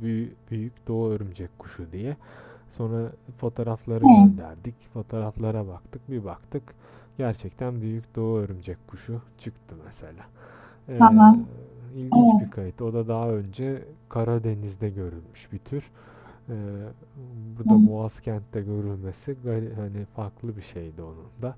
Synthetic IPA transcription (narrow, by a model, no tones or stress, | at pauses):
bybyjycd̪o̞uøɾymd͡ʒɛckʰːu̥ʃud̪ijɛso̞nɾafo̞t̪ʰo̞ːɾaflˠaɾɯɛɛd̪æ̰ɾd̪icfo̞t̪ʰo̞ːɾaflˠaɾabakt̪ʰɯk̚bibakt̪ʰɯk | ɟ̥æɾt͡ʃʰɛct̪ʰænbyjycd̪o̞uøɾymd͡ʒɛckʰuʃut͡ʃʰɯkt̪ʰɯmɛse̞lʲaː | amailʲɡiɛbikʰajɯt̪o̞d̪ad̪aɦaø̞nd͡ʒɛkʰaɾad̪e̞nizd̪ɛɟø̞ɾylʲmyʃbit̪ʰyɾ̥ | ɛː | buɾd̪amoascʰænt̪ːɛɟø̞ɾylʲme̞siɡahanifaɾklˠɯbiʃe̞jd̪io̞nund̪a